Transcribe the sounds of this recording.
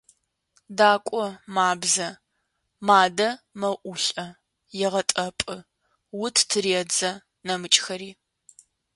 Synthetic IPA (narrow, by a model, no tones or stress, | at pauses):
daːkʷʼɔmaːbzɐ | maːdɐmɐʔʊɬʼɐ | jɛʁɐtʼɐpʼɨ | wʊtʰtʰɨriɛd͡zɐ | nɐmɨt͡ʃʼxɐɾiː